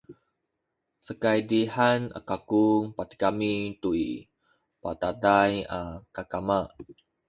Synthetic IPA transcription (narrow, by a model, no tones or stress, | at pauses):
səkajdihana̰kakuŋpat̪i̥kamit̪ui | patadajakakama